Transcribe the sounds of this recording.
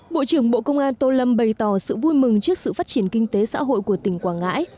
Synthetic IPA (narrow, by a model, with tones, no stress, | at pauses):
ɓo̰˧˨t͡ɕɨ˧˩əŋɓo̰˧˨kə˧wŋ͡mʔaː˧nt̪o˧lə˧mɓə˨˩jt̪ɔ˧˩sɨ̰˧˨vu˧jmɨ˨˩ŋt͡ɕɨ˦˥ək̚sɨ̰˧˨faː˦˥t̚t͡ɕi˧˩ənkï˧ŋ̟t̪e˨˦sa̰ː˧˥ɦo̰˧˨jku˧˩ət̪ï˨˩ŋ̟kwaː˧˩nŋa̰ː˧˥j